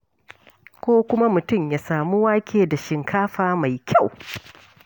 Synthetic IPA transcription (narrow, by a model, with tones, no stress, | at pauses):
kʷoː˦kʷʊ˦ma˦mʊ˨tʊ˦˨mjaː˨saː˨mu˦waː˦kʲeː˨da˨ʃɪ˨ŋkʰaː˦ɸaː˨ma˨jkʲʰa˦˨w